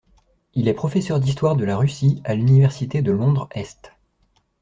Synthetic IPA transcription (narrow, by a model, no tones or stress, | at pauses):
ilɛpχɔfɛsœʁd̪ist̪waʁd̪əlaʁysialynivɛʁsit̪ed̪əlɔ̃d̪ʁɛst̪